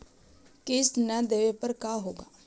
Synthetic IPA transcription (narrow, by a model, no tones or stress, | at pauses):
kɪsnəd̪eːʋepɐɾkaːɦoːɡa̰ː